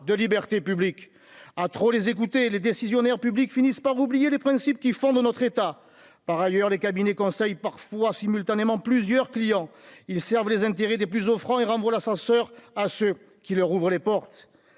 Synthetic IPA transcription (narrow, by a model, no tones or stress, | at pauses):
d̪əlibɛʁt̪epyblik | at̪χolezek̬ut̪eled̪esizjɔnɛʁpyblikfinispaʁublijelepχɛ̃sip̚kʲifɔ̃d̪ənɔt̪χet̪a | paʁajœʁlekabinekɔ̃sɛjpaʁfwasimylt̪anemɑ̃plyzjœʁklijɑ̃ilsɛʁvəlezɛ̃t̪eʁɛd̪eplyzɔfχɑ̃eʁɑ̃vwalasɑ̃sœʁasø | kʲilœʁuvʁəlepɔʁt̪